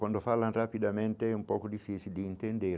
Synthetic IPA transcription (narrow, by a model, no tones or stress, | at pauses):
kwand̪ofalːanrapid̪ament̪eɛumpɔkod̪ifːit͡ʃild̪iːnt̪end̪eɾ